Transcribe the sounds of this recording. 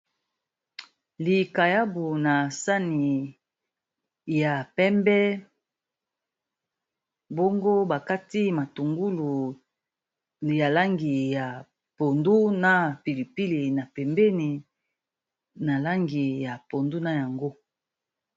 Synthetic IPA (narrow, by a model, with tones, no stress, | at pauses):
li˨ka˨ja˦bu˨na˨sa˦ni˨ | ja˨pɛ˦mbɛ˦ | bo˦ŋɡo˦ba˨ka˦ti˦ma˨tu˨ŋɡu˦lu˨ | ja˨la˦ŋɡi˨ja˨ | po˨ndu˦na˦pi˨li˨pi˦li˨na˨pɛ˨mbɛ˦ni˨ | na˨la˦ŋɡi˨ja˨po˨ndu˦na˦ja˨ŋɡo˦